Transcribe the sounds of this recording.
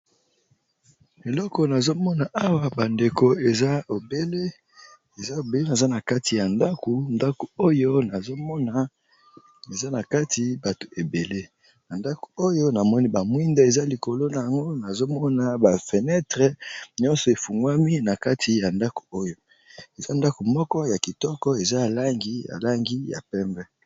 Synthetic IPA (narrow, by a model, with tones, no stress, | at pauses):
e˨lɔ˦kɔ˨na˨zo˦mɔ˦na˨ʔa˦wa˨ba˨nde˨ko˨e˨za˦o˨be˦le˦ | e˨za˦o˨be˦le˦na˨za˦na˨ka˦ti˨ja˨nda˦ko˨nda˦ko˨o˦jo˦na˨zo˦mɔ˦na˨ | e˨za˦na˨ka˦ti˨ba˨to̥˨ʔe˨be˨le˦ | na˨nda˦ko̥˨o˦jo˦na˨mɔ˦ni˦ba˨mwi˦nda˦e˨za˦li˨ko˨lo˦na˨ja˨ŋɡo˦na˨zo˦mɔ˦na˨ba˨fɛ˨nɛ˦tʁɛ˦ɲɔ̃˦nsɔ˨e˨fu˨ŋɡwa˦mi˦na˨ka˦tʰi˨ja˨nda˦ko̥˨o˦jo˦ | e˨za˦nda˦ko˨mɔ˦kɔ˦ja˨ki˨tɔ˦kɔ˦e˨za˦ja˨la˦ŋɡi˦ja̰˨la˦ŋɡi˦ja̰˨pɛ˦mbɛ˦